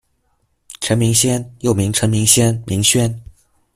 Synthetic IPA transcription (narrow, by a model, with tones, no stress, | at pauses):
ʈ͡ʂʰə˧˥nmi˧˥ŋɕjɛ˥njo˥˩ʊmi˧˥ŋʈ͡ʂʰə˧˥nmi˧˥ŋɕjɛ˥nmʔi˧˥ŋɕɥɛ˥n